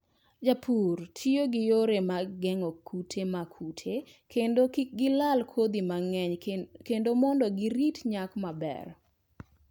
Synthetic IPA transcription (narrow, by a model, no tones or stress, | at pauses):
d͡ʒapʰurtʰioɡɪjoɾemaɡɛŋɔkʰutʰemakʰutʰekeoɡɪlalkʰwod̪imaŋɛɲkendomɔndɔɡɪɾitɲakmabɛ̰r